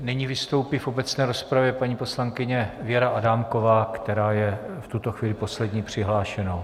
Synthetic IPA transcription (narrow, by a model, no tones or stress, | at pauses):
nɪɲiːvɪst̪o̞wpɪfo̞bɛt͡snɛːɾo̞spɾavjɛpaɲiːpo̞slaŋkɪɲɛvɪjɛɾaʔadaːmko̞vaːkt̪ɛɾaːjɛft̪ut̪o̞xviːlɪpo̞slɛdɲiːpr̥ɪɦlaːʃɛnow